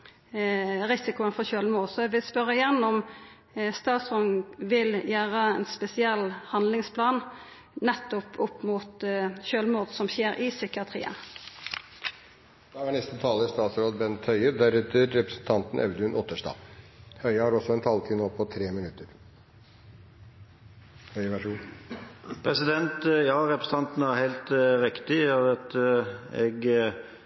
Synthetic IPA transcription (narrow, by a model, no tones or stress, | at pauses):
ʁɪsɪkʊənfɔçøːlmuːsɔʋɪspœɾəɪjɛnːɔm | st̪ɑːt̪sʁɔnʋɪljæːɾəɛnspɛsɪɛlːhɑnlɪŋspʰlɑːn | nɛt̪ːɔpʰʊpːmuːt̪çøːlmuːd̪sɔmçeːɾʔɪsʏkɪɑt̪ʰʁḭːə̰n | d̪̥ɑːæɳɛst̪ət̪ʰɑːləɪst̪ɑːt̪sɾoːd̪bɛnt̪hœʏəd̪æɾɛt̪əɾːɛpɾəsn̩t̪ʰɑnt̪n̩ʔɛ̰ʉd̪ʉnʔɔt̪ːəʂdɑ̰ːhœʏəhɑːɾɔsɔɛnt̪ʰɑlt̪ʰiːnəɔpʰːɔt̪ʰɾeːmɪnʉt̪ːəɾ | hœʏʋæʂu | pʰɾɛsɪd̪ɛnt̪jɑːɾɛpɾəsət̪ɑnt̪n̩æɾhæɪlt̪ɾɪkt̪ɪɑɑt̪ɛ̰ɡ